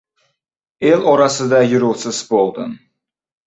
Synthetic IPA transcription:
e̞lɒɾɑsɪd̪ajʊɾʊlˠsɪzbolˠd̪ɪ̰n

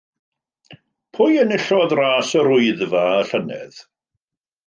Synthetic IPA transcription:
pʰʊjənɪɬɔðraːsəɾʊɨðvaəɬənɛ̰ð̥

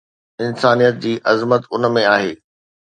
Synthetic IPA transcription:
ɪnsaːnijət̪̚d͡ʑiːʔɐzmət̪ʊnmẽaːɦeː

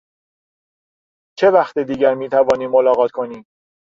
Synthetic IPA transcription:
t͡ʃʰe̞væxt̪ed̪iːɟæɾmiːt̪ʰævɒːniːmːolɒːɣɒːt̪kʰo̞niːm

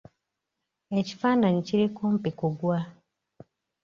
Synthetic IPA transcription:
eci̥faːnaɲiciɾikoːm̩pikuɡwa

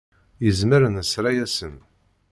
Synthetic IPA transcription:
jəzməɾənəsɾajæsən

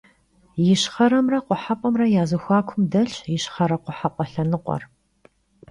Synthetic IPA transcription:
jɪɕχɐɾɐmrɐqʷʊħapʷʼɔmrɐjaːzɐxʷaːkʷʰʊmdɐɬjɪɕχɐɾɐqʷʊħapʷʼɔɬɐnɨqʷʼɔ̰r

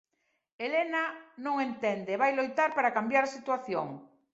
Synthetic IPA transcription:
elenanõŋent̪ɛnd̪eβajlojt̪aɾpaɾakambjaɾsit̪waθjoŋ

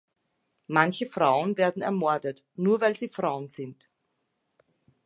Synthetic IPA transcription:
mançəfʁ̥aʊənveːɐdn̩ɛ̰ɐmɔɐdət | nuːɐvaɪlziːfʁ̥aʊənz̥ɪnt

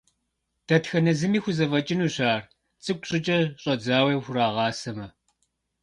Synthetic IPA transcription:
d̥ɐtxɐnɐzɨmiːxʷʊzɐvɐt͡ʃʼɪnuːɕaːr | t͡sʼɨk̚ʷʼɕʼɪt͡ʃʼɐɕʼɐd͡zaːwejxʷʊraːʁɑːsɐmɐ

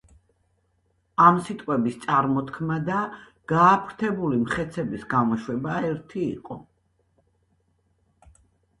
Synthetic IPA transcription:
amsit̪ʼqʼwɛbist̪sʼaɾmɔt̪kʰmad̪a | ɡ̥aːpʰɾt̪ʰɛbulimχɛt̪sʰɛbisɡamɔʃwɛbaɛɾt̪ʰḭːqʼɔ

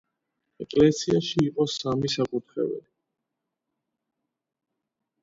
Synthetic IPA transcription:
ɛkʼlɛsiaʃiːqʼɔsamisakʼut̪ʰɾɛ̰bɛ̰li

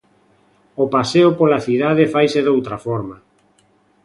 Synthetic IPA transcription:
opaseʊpolaθiðað̞efajseðowt̪ɾafɔɾma

